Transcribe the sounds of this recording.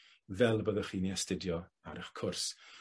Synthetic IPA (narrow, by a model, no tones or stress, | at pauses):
vɛlˠbəðəχiːniɛstədjɔa̰ɾəχkʰʊrs